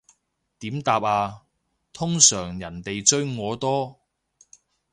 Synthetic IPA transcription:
t̪iː˨˥mt̪aː˧p̚aː˧ | t̪ʰʊ˥ŋsœː˨˩ŋjɐ˨˩nt̪e˨jt͡ʃɵ˥ɥŋɔː˨˧t̪ɔː˥

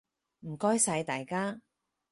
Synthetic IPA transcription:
m̩˨˩kɔː˥jsɐ˧jt̪aː˨jkaː˥

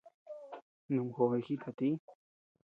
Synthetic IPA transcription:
nũ˨mxo˨e˧˨xi˦t̪ʰa˨t̪i˦

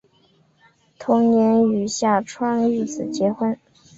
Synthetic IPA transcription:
t̪ʰʊ˧˥ŋnjɛ˧˥ny˨˩ɕja˥˩ʈ͡ʂʰwa˥ŋy˥˩t͡sʰɹ̩˨˩t͡ɕjɛ˧˥xwə˥n

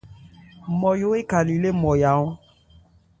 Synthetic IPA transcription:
mɔ˨jo˦e˦ka˨li˨le˦mɔ̃˨ja˨˦ɔ̃˦

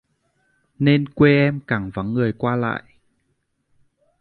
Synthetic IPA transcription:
ne˧nkwe˧ʔɛ˧mka˧˩ŋva˨˦ŋːɨ˨˩əjkwaː˧la̰ː˧˨jʔ

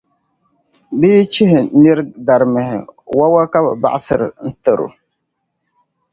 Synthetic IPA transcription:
bɪː˦t͡ʃɪ˦ɦɪ˨nɪ˦ɾda˨ɾmɪ˨hɪ̰˨wa˦wa˦ka˦ba̰˨ba̰˦˨ʔa˦sɨ˨ɾɪ˨n̩˦tɨ˨ɾʊ̰˨

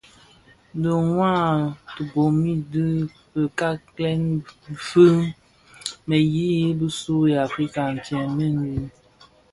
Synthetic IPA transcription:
də˨ŋwã˦˨tu˨bo˨mi˦dɨ˦ | bə˨ka˦klɛ˦nfə˦ | me˨ji˦ji˦bə˦su˦ja˨fɾi˦ka˨n̩˨tjɛ̃˨mə˦ndi˦

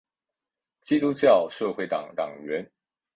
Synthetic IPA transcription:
t͡ɕi˥t̪u˥t͡ɕjɑ˥˨ʊʂɤ˥˧xwe˥˩ɪt̪ɑ̰˨˩ŋt̪ɑ̰˨˩ŋɥɛ˨˦n

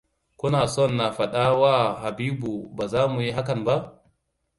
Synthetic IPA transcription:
kʷʊ˦naː˨sɔ˦nːa˨ɸɐ˨ɗaː˦waː˦˨ha˨biː˦bu˨baː˨zaː˦mu˨ji˦ɦa˦kɐ˨mba˦ʔ

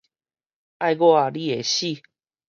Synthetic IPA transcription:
a˥˧jɡo˥˦˨a˨li˦˨e˨ɕi˥˨

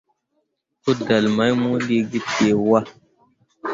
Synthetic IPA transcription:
tu˦da˨lma˨˦jmu˦li˦ɡi˦e˨wa˦

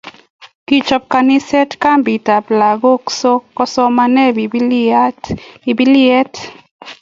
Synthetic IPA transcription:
ki˨t͡ʃɔ˨p̚ka˨ni˦sɛ˦tka˦mbi˨ta˨pla˨ɡo˦kso˦kːɔ˦sɔ˦ma˦nɛ˦bi˨ | i˨bi˦lɪɛ˦t

